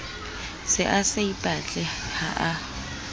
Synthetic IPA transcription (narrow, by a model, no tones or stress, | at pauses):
sɪʔaseipʼat͡ɬʼɛhaʔa